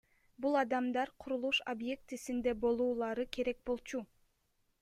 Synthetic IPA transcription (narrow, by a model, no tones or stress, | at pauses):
bulˠɑd̪ɑmd̪ɑɾqʰuɾulˠuʃobje̞k̚t̪isind̪ebo̞lˠuːlˠɑɾɯkʰe̞ɾe̞k̚bo̞lˠt͡ʃu